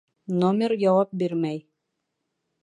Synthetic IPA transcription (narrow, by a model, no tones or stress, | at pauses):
nomʲeɾjɑwɑp̚biɾmæj